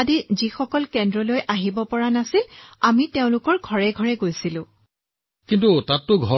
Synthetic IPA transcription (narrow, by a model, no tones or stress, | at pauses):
adizixɔkɔlkɛndɹɔlojʔaɦibɔpɔɹanasilamiteʊ̃lʊkɔɹɡʱɔɹɛɡʱɔɹɛɡojsilʊ̃ | kintutatːʊɡʱɔ